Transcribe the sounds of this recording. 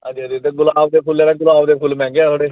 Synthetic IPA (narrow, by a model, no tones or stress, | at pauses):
ə̃d͡ʒiəd͡ʒit̪eːɡʊlaːʋd̪eːpʰʊlɛːɾeɡʊlaːʋd̪eːpʰʊlmɛ̃ːŋɡaːt̪ʰoːɽeː